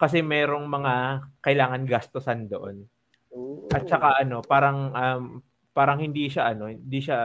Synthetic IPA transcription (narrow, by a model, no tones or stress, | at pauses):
kɐs̬ɛmɛːɾo̞ŋmɐŋakɐʔɪlaːŋɐnɡɐst̪osɐnd̪o̞ʔo̞n | ʔɐt̪̚t͡ʃɐkaʔɐno̞paːɾɐŋʔɐm | paːɾɐŋhɪnd̪iʃaʔɐno̞hɪnd̪iʃa